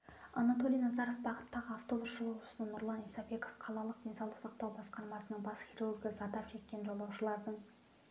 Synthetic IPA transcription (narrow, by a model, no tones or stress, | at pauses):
ɑ̰nat̪o̞lˠijnɑzɑɾo̞fbɑqə̥t̪ːɑʁəɑft̪o̞busʃəlˠəʁʊsənənʊɾlˠɑnijsɑbe̞ko̞fqʰɑlˠɑlˠəq̚d̪ensɑlˠəqsɑq̚t̪ɑwbɑsqɑɾmɑsənəɴbɑsχʲiɾurɡʲəzɑd̪ɑpʒe̞k̚kʲːe̞nʒo̞lˠɑwʃəlˠɑɾd̪əɴ